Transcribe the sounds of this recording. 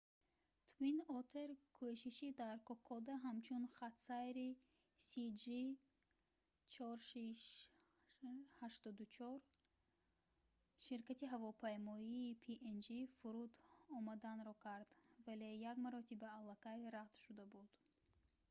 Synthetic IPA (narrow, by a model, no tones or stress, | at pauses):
t̪ʰvinɔt̪ʰeɾkʰɔʃiʃid̪aɾkʰɔkʰɔd̪aɦamt͡ʃʰunχat̪sajɾi | sid͡ʒi | t͡ʃʰɔɾʃiʃ | haʃt̪ɔd̪ut͡ʃʰɔɾ | ʃiɾkat̪iɦavɔpʰajmɔiːpʰiʔend͡ʒifuɾud̪ɔmad̪anɾɔkʰaɾd̪vale̞jaɡmaɾɔt̪ʰibaːlːakʰajɾaqt̪ʃud̪abud̪̥